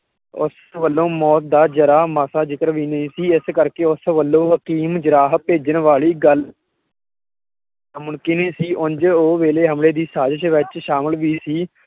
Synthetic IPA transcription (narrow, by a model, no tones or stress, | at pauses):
ʊ̰s | ʋəlːõːmɔːt̪̚d̪aːd͡ʒəɾaːmaːsaːd͡ʒɪkəɾʋiːnəĩːsiːɪskəɾkeːʊsʋəlːõːɦəkiːmd͡ʒəɾaːɦpeːd͡ʒənʋaːliːɡəl | mʊnkineːsiːʔʊnd͡ʒoːʋeːleːɦəmleːd̪iːsaːd͡ʒ̪əʃʋɪt͡ʃʃaːməlʋiːsiː